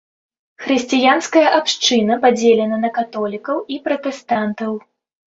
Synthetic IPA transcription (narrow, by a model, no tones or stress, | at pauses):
xɾɨsʲt͡sʲijanskɐjɐʔapʂt͡ʂɨnɐpad͡zʲelʲɛnɐnɐkat̪ɔlʲikɐwipɾɐt̪ɛst̪ant̪ɐw